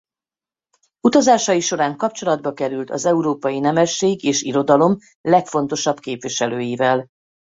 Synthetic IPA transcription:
ut̪ɒzaːʃɒjiʃo̞ɾaːŋkɒpt͡ʃo̞lɒd̪̚bɒkɛɾylt̪ɒ̰zɛuɾoːpɒjinɛmɛʃːeːɡeːʃiɾo̞d̪ɒlo̞m | lɛkfo̞n̪t̪o̞ʃɒbkeːpʋiʃɛløːjivɛl

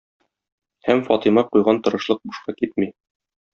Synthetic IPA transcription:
hæmfɒt̪imɑqujʁɑnt̪ɤ̆ɾɤ̆ʃlˠɤq̚buʃqɑkit̪̚mi

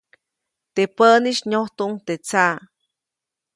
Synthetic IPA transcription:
t̪epəniʃɲoht̪uʔŋt̪et͡sa

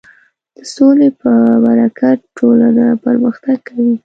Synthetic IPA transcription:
d̪̥əsolepəbaɾakʰaʈolanapəɾməxt̪aɡ̚kʰawi

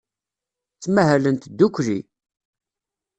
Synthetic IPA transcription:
t͡sːmæɦælənt̪d̪ːukʷːli

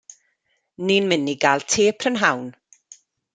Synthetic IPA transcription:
niːnmɪniɡaːlˠtʰeːpʰrənɦawn

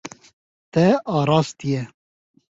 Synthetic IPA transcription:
t̪ɛʔɑːɾɑːst̪ijɛ

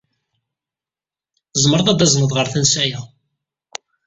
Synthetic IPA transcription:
zˤməɾˤðˤæd̪æzˤnəðˤʁəɾθənsæjæ

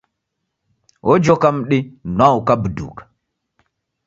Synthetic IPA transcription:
ʔɔd͡ʒɔkam̩ɗinwaukabudṵːkḁ

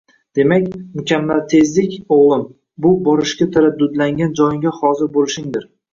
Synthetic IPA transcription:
d̪̥e̞makʲmʊkʲamːalt̪ʰe̞zlɪkʲoʁlˠɪm | bʊbɒɾɪʃkʲat̪ʰaɾad̪ːʊd̪laŋɡʲand͡ʒɒjɪŋɡʲahɒzɪɾbolɪʃɪŋd̪ɪɾ

